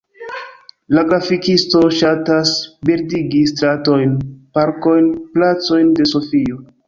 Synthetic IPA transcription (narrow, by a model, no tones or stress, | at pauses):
laɡɾafikisto̞ʃatasbeɾdiɡistɾato̞jnpaɾko̞jnplat͡so̞jnde̞so̞fio̞